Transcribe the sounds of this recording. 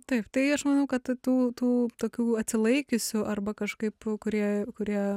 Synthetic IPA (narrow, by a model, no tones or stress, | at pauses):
t̪ɐɪpt̪ɐɪɐʃmɐnɐʊkɐt̪t̪uːt̪uːt̪oːkʲuːɐt̪ʲsʲɪlˠɐɪkʲɪsʲʊʔɐrbɐkɐʃkɐɪpkʊɾʲiɛkʊɾʲiɛ